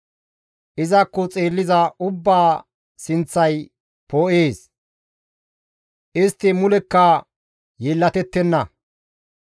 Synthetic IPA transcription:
ʔɪzɐkːɔt͡sʼe̞ːlːɪzɐʔʊbːaː | sɪnt͡sːɐj | poːʔeːs | ʔɪst̪ːɪmʊlɛkːɐ | jeːlːɐt̪ɛt̪ːɛnːɐ

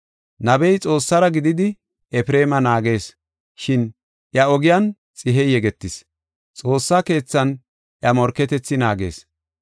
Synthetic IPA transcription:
nɐbɛjt͡sʼo̞ːsːɐɾɐɡɪd̪ɪd̪ɪ | ɛfɾeːmɐnaːɡe̞ːs | ʃɪn | ʔjɐɔɡɪjɐn | t͡sʼɪɦɛjjɛɡɛt̪ːɪs | t͡sʼo̞ːsːake̞ːt͡sːɐn | ʔjɐmɔɾkɛt̪ɛt͡sːɪnaːɡe̞̰ːs

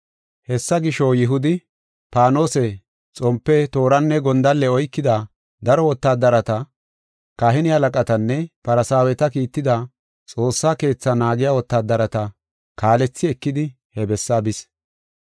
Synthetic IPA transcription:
hɛsːɐɡɪʃɔjɪɦʊd̪ɪ | paːno̞ːsɛ | t͡sʼɔmpːɛt̪o̞ːɾɐnːɛɡɔnd̪ɐlːɛɔjkːɪd̪ɐ | d̪ɐɾɔwɔt̪ːaːd̪ɐɾɐt̪ɐ | kaɦɪnɪhɐlɐkʼɐt̪ɐnːɛpɐɾɐsaːwɛt̪ɐkiːt̪ːɪd̪ɐ | t͡sʼo̞ːsːaːke̞ːt͡sːɐnaːɡɪjaːwɔt̪ːaːd̪ɐɾɐt̪ɐ | kaːlɛt͡sːɪɛkːɪd̪ɪ | hɛbɛsːabɪs

